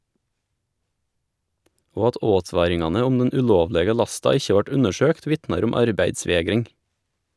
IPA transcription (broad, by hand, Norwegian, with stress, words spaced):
ˈoː ˈɑt ˈoːˌtʋɑːɾɪŋɑnə ˈʊm ˈdɛn ʉˈʎoːʋˌʎeːɡə ˈʎɑstɑ ˈɪçə ˈʋɑʈ ˈʉnəˌʃøːkt ˈʋɪtnɑɾ ˈʊm ˈɑɾbæɪdˌsʋeːɡɾɪŋ